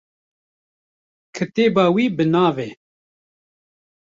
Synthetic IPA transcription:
kʰɨt̪eːbɑːwiːbɨnɑːveː

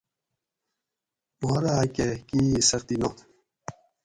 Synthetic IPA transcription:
moɾakekiːsɐxt̪ino

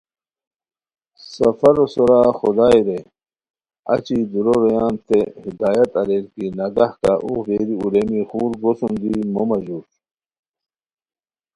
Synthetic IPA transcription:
sɐfɐɾosoɾaxod̪aːjɾe | ɐ̰t͡ɕid̪uɾoɾojaːnt̪ʰehid̪aːjɐt̪ɐɾelkinɐɡahkaʔṵhɾeːɾiuɾemixuːɾɡosund̪imomɐʑuːs

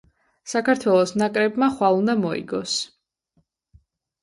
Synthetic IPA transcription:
sakʰaɾt̪ʰwɛlˠɔsnakʼɾɛbmaχwalˠund̪amɔḭɡɔs

